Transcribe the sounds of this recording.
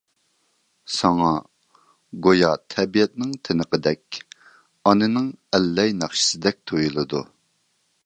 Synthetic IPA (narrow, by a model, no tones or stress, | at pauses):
sɑŋɑ | ɡojɑt̪ʰɛbijɛt̪nɪŋt̪ʰɪnəqəd̪ɛkʲ | ɑnɨnɪŋɛlːɛjnɑχʃɪ̥sɪd̪ɛk̚ʲt̪ʰojulˠɨd̪u